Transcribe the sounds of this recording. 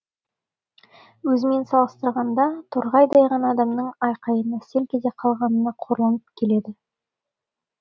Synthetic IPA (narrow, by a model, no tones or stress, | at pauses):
wɵzɪme̞nsɑlˠəst̪əɾʁɑnd̪ɑt̪ʰʊɾʁɑjd̪ɑjʁɑnɑːd̪ɑmnəɴɑjqɑjənɑse̞lkʲʰe̞d̪eqʰɑlˠʁɑnənɑqʰo̞ɾlˠɑnəpkʲʰe̞le̞d̪ɪ